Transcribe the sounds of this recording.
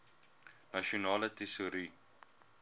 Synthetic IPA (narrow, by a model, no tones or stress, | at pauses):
nɐʃionɑːlətesuɾi